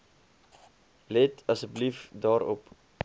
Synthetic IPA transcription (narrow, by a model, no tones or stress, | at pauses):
lɛtɐsək̚bəlifdɑːɾɔp